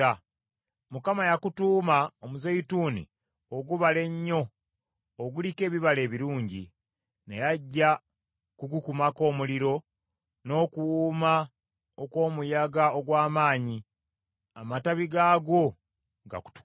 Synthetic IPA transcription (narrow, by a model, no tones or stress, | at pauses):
a | mukamajakutuːmaomuzeituːnḭ | oɡuβale̞ɲːo̞ | oɡulike̞ːβiβale̞ːβiɾuːɲɟḭ | nejaɟːa | kuɡukumako̞ːmuliɾo̞ | no̞ːkuwuma | okwo̞ːmujaɡaoɡwaːmaːɲi | amataβiɡaːɡo̞ | ɡa̰ku̥tu̥